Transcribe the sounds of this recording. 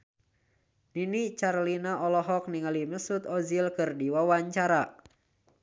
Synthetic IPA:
ninit͡ʃarlinaʔɔlɔɦɔk̚niŋaliməsut̪ɔzilkɨrdiwawaɲt͡ʃaɾa

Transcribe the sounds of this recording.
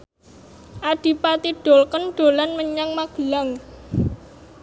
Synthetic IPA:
ʔaɖ̥i̤pat̪iɖ̥olkənɖ̥o̤lanməɲaŋmaɡ̥əlaŋ

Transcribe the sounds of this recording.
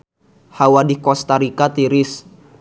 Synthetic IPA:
hawadikɔst̪aɾikat̪iɾɪs

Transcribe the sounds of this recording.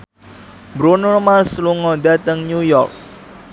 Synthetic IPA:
bɾunʊrmasluŋɔd̪at̪əŋnujɔrk̚

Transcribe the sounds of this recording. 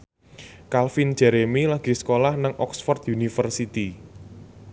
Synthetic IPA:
kalfin̥d͡ʒ̥ɛɾemilaɡ̥i̤sə̥kolahnaŋʔɔksfɔrt̪junifərsit̪i

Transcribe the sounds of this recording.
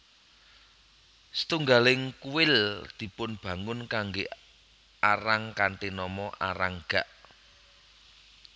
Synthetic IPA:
sə̥t̪uŋɡalɪŋkuwɪld̪̥i̤pʊnb̥ä̤ŋʊnkaŋɡe | aɾaŋkant̪inɔmɔʔa̰ɾaŋɡ̥a̤ʔ

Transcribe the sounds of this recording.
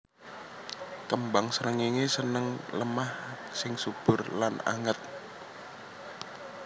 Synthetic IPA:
kəmbaŋsənəŋiŋesənəŋləmah | sɪŋsub̥ʊ̤rlana̰ŋət̪̚

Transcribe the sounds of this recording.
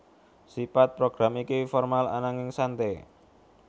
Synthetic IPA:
sipat̪̚pɾoɡ̥ɾamikifɔrmala̰naŋɪŋsant̪e

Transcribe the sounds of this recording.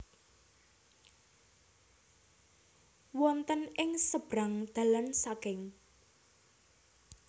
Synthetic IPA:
wɔnt̪ənɪŋsəb̥ɾaŋd̪̥ä̤lansakɪŋ

